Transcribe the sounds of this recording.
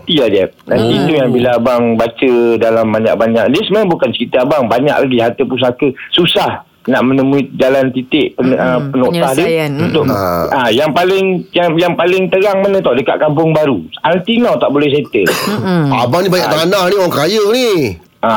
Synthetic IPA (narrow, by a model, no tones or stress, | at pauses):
t̪iad͡ʒɛp̚na̰nt̪it̪ujaŋbilaːbaŋbat͡ʃədalambaɲa̰ʔ̚baɲaʔ̚dəsəmabukansəit̪əabaŋbaɲa̰klaɡiɦat̪əpus̬akəsusah | naʔmənəmuit̪̚d͡ʒalant̪it̪ɪʔpəəpənoahdeunt̪ʊʔajaŋpalɪŋjaŋjaŋpalɪŋt̪əɾaŋmanə̃t̪adəkaʔ̚kampʊŋbaɾuant̪inawt̪aʔbolɛhs̬et̪əlabaŋnibajaʔt̪aanahnioaŋkajəni | a